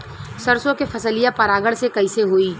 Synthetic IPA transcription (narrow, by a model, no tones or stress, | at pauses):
sɐɾsõkefʰɐsəlijapɐɾaːɡəɽsekɐɪseɦoːiː